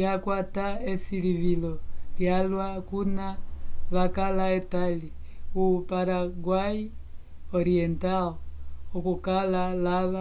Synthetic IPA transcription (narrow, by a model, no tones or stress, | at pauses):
jakwataesiliβiloɾjalwakunaβakalaetaliupaɾaɡwai | oɾienta | okukalalaβa